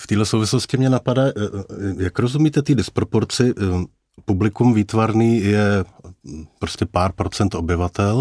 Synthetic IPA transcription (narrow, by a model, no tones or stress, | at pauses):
ft̪iːɦlɛsowvɪsloscɪmɲɛnapadaːjakɾo̞zumiːt̪ɛt̪iːdɪspɾo̞po̞ɾt͡sɪ | publɪkumviːt̪vaɾniːjɛ | pɾoscʲɛpaːɾpɾo̞t͡sɛnt̪ʔo̞bɪvat̪ɛl